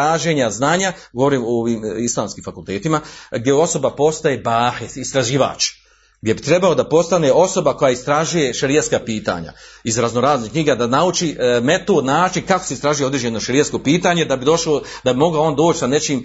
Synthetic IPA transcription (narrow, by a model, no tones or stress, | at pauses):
aːʒe̞ːɲaznaːɲa | ɡo̞ʋoɾiːmooʋiːmislˠaːmskiːmfakulˠt̪e̞ːt̪imaɡdjeo̞so̞bapo̞st̪aje̞baːhit̪ist̪ɾaʒiːʋa̰ːt͡ʃ | ɡd̪ʲje̞bit̪ɾe̞balod̪apo̞st̪ane̞ʔo̞so̞bako̞jaist̪ɾaʒuje̞ʃaɾijat̪skaːpiːt̪a̰ːɲa̰izɾazno̞ɾaːznikɲiɡad̪anaut͡ʃime̞t̪od̪naːt͡ʃinkakose̞ist̪ɾaʒujo̞d̪ɾeːd͡ʒenoʃaɾijasko̞piːt̪aːɲe̞d̪abid̪o̞ʃaod̪abimo̞ɡao̞ːnd̪oːt͡ʃsane̞t͡ʃiːm